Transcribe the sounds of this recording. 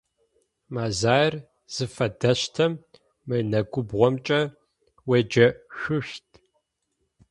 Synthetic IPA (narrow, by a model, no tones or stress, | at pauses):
maːzaːjr | z̥ɨfɐdɐɕtʰɐmː | ɨjnɐɡʷʊbʁʷɔmt͡ʃʼɐ | wed͡ʒɐʃʷʊʃtʰʼ